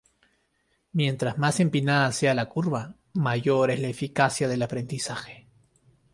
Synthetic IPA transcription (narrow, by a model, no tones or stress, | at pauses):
mje̞nt̪ɾazmase̞mpinaðasealakuɾβa | maʝoɾezlaefikasjaðe̞lapɾe̞nd̪isaxe̥